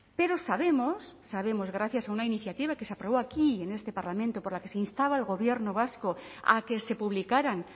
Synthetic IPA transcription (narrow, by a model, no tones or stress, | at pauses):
pe̞ɾo̞saβe̞mosːaβ̞e̞mo̞zɣ̞ɾaθjasaunainiθjat̪iβ̞ake̞sapɾoβ̞oakiene̞st̪e̞paɾlamẽnt̪opoɾlake̞seinst̪aβaelɣo̞βje̞ɾnoβ̞askoa̰ke̞se̞puβlikaɾan